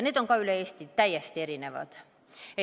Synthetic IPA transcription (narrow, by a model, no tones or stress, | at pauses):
neːt̪oŋkɑːylæest̪it̪æjæst̪eɾineʋɑ̰t̪ | e